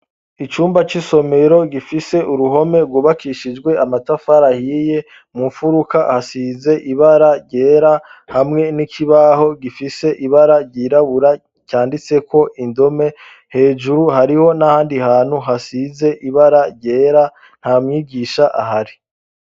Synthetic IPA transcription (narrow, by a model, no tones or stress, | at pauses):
it͡ʃuːmbat͡ʃiso̞me̞ɾo̞ɡifise̞ʔuɾuɦo̞me̞ɾɡuːβakʰiʃid͡ʒɡwe̞amatafaɾahiːje̞ | muɱfuɾukahasiːze̞ʔiβaɾaɾɟe̞ːɾahamŋe̞nikʰiβaho̞ɡifise̞ʔiβaɾaɾɟiːɾaβuɾa | caːndit͡se̞ko̞ʔindo̞me̞ | he̞ːd͡ʒuɾuɦaɾiho̞nahaːndihaːn̥huɦasize̞ʔiβaɾaɾɟe̞ːɾa | n̥hamŋiːɡiʃaʔaɦaɾi